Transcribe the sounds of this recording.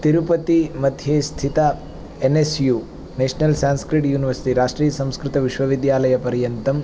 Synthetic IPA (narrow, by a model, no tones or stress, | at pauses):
t̪iɾupɐt̪imɐd̪ʱjest̪ʰit̪ɐ | enesju | neːʂnɐlsaːnskɾiʈjuːniʋɐɾsi̥ʈiɾaːʂʈɾiːjɐsɐ̃mskɾɪt̪ɐʋiʃʋɐʋid̪jaːlɐjɐpɐɾjɐnt̪ɐm